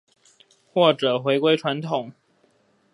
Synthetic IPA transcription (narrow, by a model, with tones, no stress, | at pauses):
xwɔ˥˩ʈ͡ʂɤ˨˩xwe˧˥ɪkwe˥ɪʈ͡ʂʰwa˧˥nt̪ʰʊ˨˩˦ŋ